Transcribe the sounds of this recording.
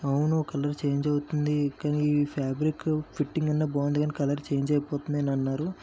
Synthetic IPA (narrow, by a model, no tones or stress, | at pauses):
ɐwunokɐlɐɾt͡ʃe̞ːɲd͡ʒɐwut̪und̪ikaːniːpʰaːbɾikpʰiʈːiŋɡɐnːaːboːnd̪ɡɐːnikɐlɐɾt͡ʃeːɲd͡ʒɐjɐpɔːt̪und̪ɐnɐnːaːɾu